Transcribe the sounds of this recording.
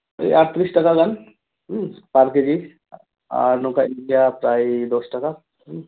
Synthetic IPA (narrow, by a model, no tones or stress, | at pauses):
ḛaɾt̪ɾiːsʈɐkaɡɐn | ɦpaːɾked͡ʒi | a̰ːɾnõkaɪnɖijapɾaːid̪oːsʈɐka | ɦ